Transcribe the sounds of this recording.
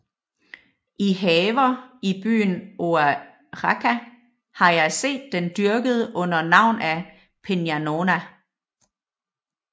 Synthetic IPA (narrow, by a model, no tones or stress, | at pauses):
ʔiɦɛːʋɐib̥y̰ːnʔoæ | ʁɑkʰæ | hɑ̈jɑ̈ɪse̝̰ːd̥ːend̥yɐɡ̥əð̞ˠəʔɔ̽n̰ɐnɑ̈ʊ̰næ | pʰenjæno̝næ